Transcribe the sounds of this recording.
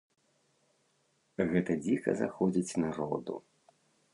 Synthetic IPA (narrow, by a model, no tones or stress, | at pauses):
ɣɛt̪ɐd͡zʲikɐ̰za̰xɔd͡zʲit͡sʲnaɾɔd̪ṵ